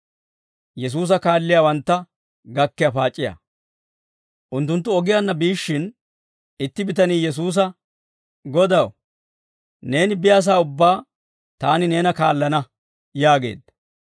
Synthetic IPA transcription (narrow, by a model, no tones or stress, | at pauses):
jɛs̬uːs̬ɐkaːlːɪjaːwɐnt̪ːɐ | ɡɐkːɪjɐpaːt͡ʃʼːɪjɐ̰ | ʔʊnt̪ːʊnt̪ːʊɔɡɪjaːnːɐbiːʃːɪn | ɪt̪ːɪbɪt̪ɐniːjɛs̬uːs̬ɐ | ɡɔd̪ɐw | ne̞ːnɪbɪjaːs̬aːʊbːaː | t̪aːnɪne̞ːnɐkaːlːɐnɐ | jaːɡe̞̰ːd̪ːɐ